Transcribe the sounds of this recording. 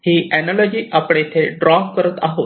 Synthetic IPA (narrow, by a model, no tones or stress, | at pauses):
hiʔænalɔd͡ʑiːʔapɽet̪ʰeɖɾɔkkəɾət̪aɦot̪